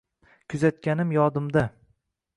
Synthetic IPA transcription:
kʲʰʊzat̪̚kʲanɪmjɒd̪ɪmd̪a

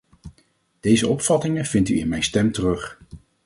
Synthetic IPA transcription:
d̥ejzəɔpfɑtɪŋənv̥ɪnty̰ɪnmɛjnstɛmtərɵχ

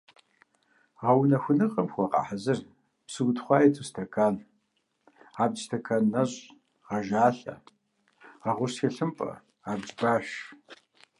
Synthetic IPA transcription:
ʁɐwnɐxʷʊnɨqʼɐmxʷɔqɑ̰ħazɨr | psɨɡtχʷɑːjɛtʰustʰɐkʰaːn | aːbd͡ʒstʰɐkʰaːnːɐɕʼ | ʁɐʒaːɬʼɐ̰ | ʁɐʁʷʊsxeɬɨmpʼɐ̰ | aːbd͡ʒbaːɕ

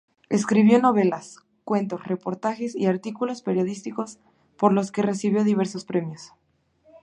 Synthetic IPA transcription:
e̞skɾiβjo̞no̞βe̞las | kwe̞nt̪o̞sre̞po̞ɾt̪axesḭaɾt̪ikulo̞spe̞ɾjo̞ðist̪iko̞s | po̞ɾlo̞ske̞re̞siβjo̞ðiβ̞e̞ɾsospɾe̞mjos

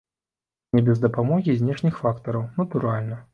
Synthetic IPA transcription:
nʲɛbʲɛzd̪ɐpamɔɣʲizʲnʲɛʂnʲixfakt̪ɐɾɐwnɐt̪uɾalʲnɐ

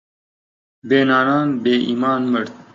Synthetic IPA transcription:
beːnaːnaːnbeːʔḭːmaːnməɽt̪̚

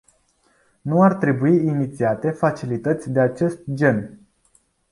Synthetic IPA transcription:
nuart̪ɾe̞buiːnit̪siat̪e̞fat͡ʃilit̪ət̪sʲd̪e̞at͡ʃe̞st̪̚d͡ʒe̞n

